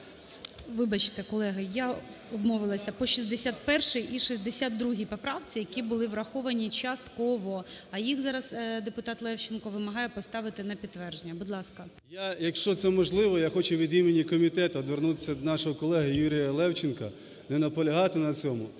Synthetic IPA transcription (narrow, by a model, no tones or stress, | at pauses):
ʋɪbɐt͡ʃɪ̥t̪ɛkɔlˠɛɦɐja | ɔbmɔʋɪlˠɐsʲɐpɔʃʲizd̪esʲat̪̚pɛrʃɪjʔiʃizd̪esʲat̪̚d̪ɾuɦʲipɔpɾɑwt͡sʲijɐkʲibʊlˠɪʋrɐxɔʋɐnʲit͡ʃɐst̪kɔʋɔɐjixzɑɾɐzd̪epʊt̪ɑt̪lˠɛwt͡ʃɪnkɔʋɪmɐɦɑjɛpɔst̪ɑʋɪt̪ɪnɐpʲit̪tːʋɛrʒenʲːɐbʊd̪lˠɑskɐ | jajɐkʃt͡ʃɔt̪sɛmɔʒlˠɪʋɔjaxɔt͡ʃʊʋʲid̪imenʲikɔmʲit̪ɛt̪ʊːd̪ʋernut̪ɪ̥sʲɐd̪nɑʃɔɦɔkɔlˠɛɦɪjuɾʲɪjɐlˠɛwt͡ʃɪnkɐ | nɛnɐpɔlʲɐɦɑt̪ɪnɐt͡sʲɔmʊ